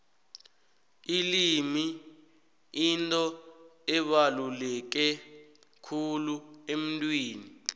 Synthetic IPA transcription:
ilimi | intʼɔɛɓalulɛk̬ɛ | kʰuluem̩ntʼwiːni

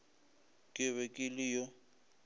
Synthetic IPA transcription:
kʼɪβɛkʼɪlɪjɔ

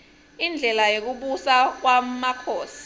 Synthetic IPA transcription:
ind͡ɮʱɛlajok̬uɓusak̬wamakʰoːsi̥

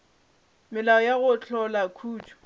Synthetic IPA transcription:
mɪlaɔjaɣʊt͡ɬʰɔlakʰuːtʰu̥

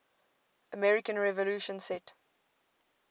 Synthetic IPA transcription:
əmɛɹikə̃nɹɛvəluːʃə̃nsɛt

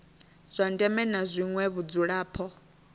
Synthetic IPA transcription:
z̥ʷandɛmɛnazʷiŋwɛβud͡zuɺaːpʰɔ

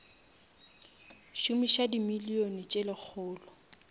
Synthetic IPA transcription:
ʃumiʃadimilionit͡ʃʼɪlɪk͡xʰʊːlɔ

